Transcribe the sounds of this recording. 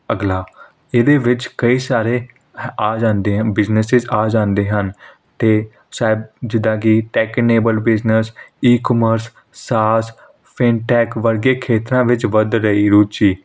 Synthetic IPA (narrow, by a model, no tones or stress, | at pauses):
əɡlaː | ed̪eːʋɪt͡ʃkəiːsaːɾeː | aːd͡ʒãːnd̪eːbɪznəsɪzaːd͡ʒãːnd̪eːɦən | t̪eː | saːɪbd͡ʒɪd̪ãːkɪʈɛːkneːbəlbɪznəsiːkɔməɾsː | aːs | pʰɪnʈɛːkʋəɾɡeːkʰeːt̪ɾãːʋɪt͡ʃʋəd̪ɾəiːɾuːt͡ʃiː